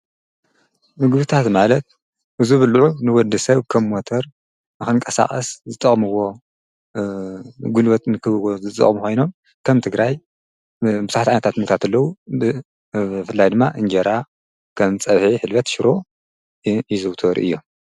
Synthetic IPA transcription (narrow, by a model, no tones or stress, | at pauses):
mɨɡbɨt̪ʰat̪malɐt̪̚ | ʔɨzuβɨlʕunɨwɔd̪ɨsɐβkʰɐmmot̪ʰɐɾ | nɨxɨŋkʼɐsa̰χʼɐszɨt̪ʼːɐχʼmɨwo | ɡulwɐt̪ʼnɨkʰɨβɨwozɨt̪ʼɐ̰χʼmuxo̞jno̞m | kʰɐmt̪ʰɨɡɾaj | bɨzħat̪ʕajnɐt̪ʰat̪mɨkt̪ʰat̪ʰɐlːɐwu | fɨlːajd̪ɨmːaʔɨnd͡ʒɐɾa | kʰɐmt͡sʼɐβħiħɨlβɐt̪ʃɪɾo̞ | izɨwt̪ʰoɾʔɨ̰jːom